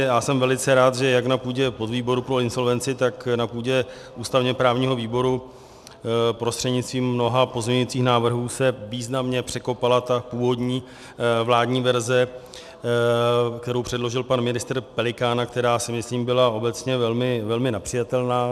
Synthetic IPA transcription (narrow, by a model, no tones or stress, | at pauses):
jaːsɛmvɛlɪt͡sɛɾaːt̪ʒɛjaknapuːɟɛpo̞d̪viːbo̞ɾupɾo̞ɪnso̞lvɛnt͡sɪt̪aknapuːɟɛ | ʔuːst̪avɲɛpɾaːvɲiːɦo̞viːbo̞ɾu | pɾo̞st̪r̥ɛdɲɪt͡sst̪viːmːno̞ɦapo̞zɲɲʊit͡siːxnaːvr̩ɦuːsɛviːznamɲɛpr̝̥ɛko̞palat̪apuːvo̞dɲiː | vlaːdɲiːvɛɾzɛ | k̚t̪ɛɾowpr̝̥ɛdlo̞ʒɪlpanmɪnɪst̪r̩pɛlɪkaːnakt̪ɛɾaːsɪmɪsliːmbɪlao̞bɛt͡sɲɛvɛlmɪvɛlmɪnɛpr̥ɪjat̪ɛlnaː